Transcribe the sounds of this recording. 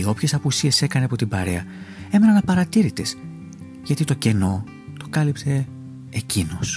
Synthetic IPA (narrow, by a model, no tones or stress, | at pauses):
io̞pçe̞sɐpusie̞se̞kɐneɐpo̞t̪ibɐ̰ɾe̞ɐe̞me̞nɐnɐpɐɾɐt̪iɾit̪es | ʝɐt̪it̪o̞ce̞no̞ | t̪o̞kɐlipt̪e̞ː | cino̞s